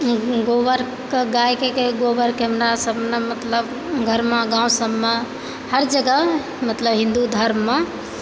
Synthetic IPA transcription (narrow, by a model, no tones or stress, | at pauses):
ɡoʋəɾ | keɡajkekeɡoʋəɾkemɾɾasəbnemət̪ləb | ɡʱəɾmeɡãũsəbme | həɾd͡ʒəɡə | mət̪ləbɦĩnd̪ud̪ʱəɾmːe